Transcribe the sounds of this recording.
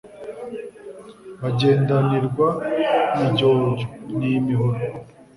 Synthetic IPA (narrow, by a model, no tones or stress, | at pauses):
βaɟe̞ːndaniɾɡwamiɟoːɲɟonimiɦoɾo